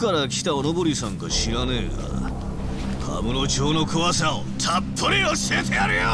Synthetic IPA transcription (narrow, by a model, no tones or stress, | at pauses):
kaɾakʲi̥t̪aonobo̞ɾʲisãŋkaɕiɾaneːɡa̰ | kʰa̰mɯnot͡ɕoːno̞kɯ̟βasaot̪ʰapʰːoɾʲiosiet̪eaɾɯjo